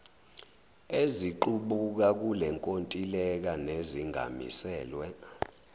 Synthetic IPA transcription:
eziǃuɓuk̬ak̬ulɛŋkʼontʼilɛk̬aneziŋɡʱa̰mḭsɛːlwɛ

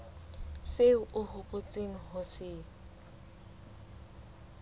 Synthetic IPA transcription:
sɪʊhʊpʼʊt͡sʼeŋ̩ɦʊsɪ

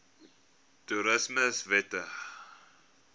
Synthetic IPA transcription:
tuɾəsməsvɛtə

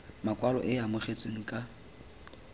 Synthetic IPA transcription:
makʼwalɔ̰ʔɪamʊχet͡sʼweŋ̩kʼa

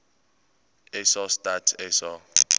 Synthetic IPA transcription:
ɛsɔstatʰɛsɔ

